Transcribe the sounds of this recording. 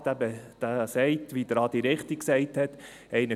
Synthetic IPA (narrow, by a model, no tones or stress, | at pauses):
t̪æbəd̥æsɛɪt̪ʋid̪əɾɑːd̥̪iɾɪχt̪ikksɛɪthɛt̪ | ɛɪnə